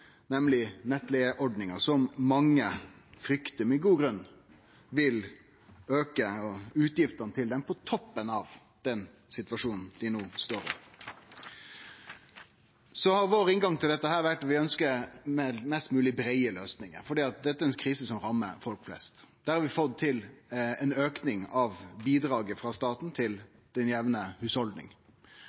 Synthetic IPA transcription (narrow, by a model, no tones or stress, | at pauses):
nɛmlɪnɛt̪ːlɛəʔɔɖnɪŋəsɔmːɑŋːəfɾʏkt̪əmɛɡuːɡɾʉnː | ʋɪl | øːkəɔʉːt̪jɪft̪ənət̪ʰɪld̪ɛmpʰɔt̪ʰɔpːənɑʋ | d̪̥ɛn | sɪt̪ʋɑʂuːnn̩d̪ɪnoːst̪oːɾɔ̰m | sɔhɑɾʋoːɾɪŋɡɑŋt̪ʰɪld̪ɛt̪ːəɦæːɾʋæʈːɑt̪ʋɪœnskəɾmɛmɛst̪mʉːlɪbɾæɪəløːsnɪŋə̰ɾfɔɖiːɑt̪̚d̪ɛt̪ːəɛɛnkʰɾiːsəsɔmɾɑmːəɾfɔlkflɛ̰st̪d̪̥æːɾɑɾʋɪfɔt̪t̪ʰːɪlɛnøːknɪŋɑʋbiːd̪ɾɑːɡəfɾɑst̪ɑːt̪n̩t̪ʰɪl | d̪̥ɛnjæʋnəhʉːshɔld̪nɪ̰ŋ